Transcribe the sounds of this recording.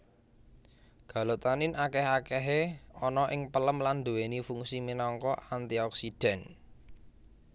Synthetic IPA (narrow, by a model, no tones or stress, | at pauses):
ɡ̥a̤lot̪anɪnakɛɦakɛɦeɔnɔʔɪŋpələmland̪ṳwenifuŋsiminɔŋkɔʔant̪iɔksid̥ɛ̤n